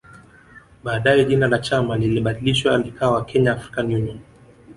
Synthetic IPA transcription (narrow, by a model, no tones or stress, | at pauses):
ɓaːɗajɛʄinalat͡ʃamaliliɓaɗiliʃwalikʰaːwakʰɛɲaːfɾi̥kanijunɔn